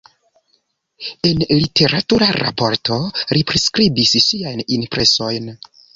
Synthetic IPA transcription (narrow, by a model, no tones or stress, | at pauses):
e̞nlite̞ɾatuɾaɾa̰po̞ɾto̞ɾipɾeskɾibisʃiajninpɾe̞so̞jn